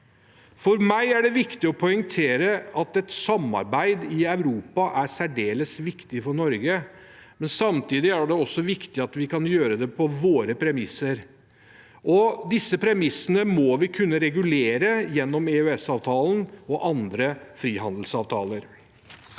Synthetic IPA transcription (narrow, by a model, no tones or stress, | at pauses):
fɔɾmæɪæɖɛʋɪkt̪ɪɔpʰɔʏŋt̪ʰeːɾəɑt̪ɛt̪sɑmːɑ̰ɾbæɪd̪ɪæʉɾuːpɑʔæsæɖeːləsʋɪkt̪ɪfɔɳɔɾɡə | mɛnsɑmt̪ʰiːd̪ɪæɖɛɔsːɔʋɪkt̪ɪɑt̪ʋɪkɑnjøːɾəd̪ɛpʰɔʋoːɾəpʰɾɛmɪsːəɾ | ʔɔd̪ɪsːəpʰɾɛmɪsːənəmɔʋɪkʰʉnːəɾɛɡʉleːɾəjɛnːɔmɛʉɛsɑːʋt̪ʰɑːlənɔʔɑnd̪ɾəfɾiːɦɑnd̪l̩sɑːʋt̪ʰɑ̰ːləɾ